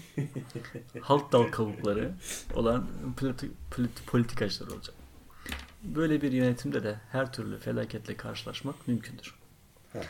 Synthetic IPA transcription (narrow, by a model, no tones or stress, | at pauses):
halˠt̪̚d̪alˠkʰaβuklˠaɾɯo̞̰lˠanp̪pʰʲt̪pʰo̞lʲit̪ʰikʰat͡ʃlˠa̰ɾɯo̞̰lˠad͡ʒak | bø̞jlʲebiɾjø̞net̪ʰimd̪ɛd̪ɛhæɾt̪ʰyɾlʲy̰felʲaːcʰɛt̪lʲɛkʰaɾʃɯlˠa̰ʃmakmymcʰynd̪yɾ̥